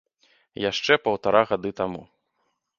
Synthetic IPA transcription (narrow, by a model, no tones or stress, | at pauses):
jaʂt͡ʂɛpɐwt̪aɾaɣad̪ɨt̪amṵ